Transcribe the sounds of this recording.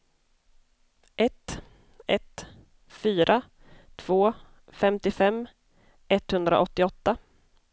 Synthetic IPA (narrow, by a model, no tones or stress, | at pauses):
ʔɛt̪ | ɛt̪ | fyːɾʔa | t̪ʰv̥oː | fɛmt̪ɪfɛmː | ʔɛt̪hɵnd̪ɾa̰ʔɔt̪ːɪɔt̪ːa